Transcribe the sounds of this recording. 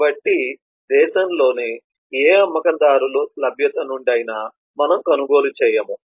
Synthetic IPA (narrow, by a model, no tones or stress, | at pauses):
bɐʈːi | d̪ɛːʃɐmlo̞ːne | eːɐmːɐkɐnd̪aːɾululɐbʱjɐt̪ɐnuɳɖɐjna | mɐnɐmkɐnuɡo̞ːlut͡ʃɛːjɐmu